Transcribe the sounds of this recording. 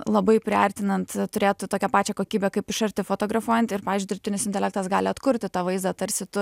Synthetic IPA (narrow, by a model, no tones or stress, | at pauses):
lˠɐbɐɪpʲɾʲɪɐɾʲt̪ʲɪnɐnt̪t̪ʊɾʲeːt̪ʊt̪oːkʲɛpɑːt͡ʃʲɛkoːkʲiːbʲɛkɐɪpɪʃɐɾʲt̪ʲɪfot̪oːɡɾɐfuɔjɛnt̪ɪrpɑːʋʲɪzd͡ʒʲʊd̪ʲɾʲɪpt̪ʲɪnʲɪsɪnt̪ʲɛlʲæːk̚t̪ɐsɡɑːlʲɪɐt̪kʊɾʲt̪ʲɪt̪ɑːʋɐɪzd̪ɐt̪ɐɾʲsʲɪt̪ʊ